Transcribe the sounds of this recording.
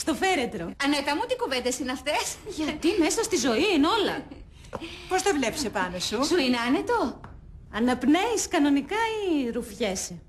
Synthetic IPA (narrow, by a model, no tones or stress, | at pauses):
st̪o̞fe̞ɾe̞t̪ɾo̞ɐnet̪ɐmut̪ikuvet̪esinɐft̪e̞sʝɐt̪ime̞sɐst̪izo̞iino̞lɐ | po̞st̪ɐvle̞psepɐnosusuineɐne̞t̪o̞ | ɐnɐpneiskɐno̞nikɐiɾufçe̞s